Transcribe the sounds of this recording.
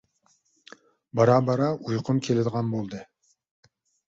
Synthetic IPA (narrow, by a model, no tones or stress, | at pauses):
bɑɾɑbɑɾɑujqʰʊmkʲʰelɪd̪əʁɑnbolˠd̪ɨ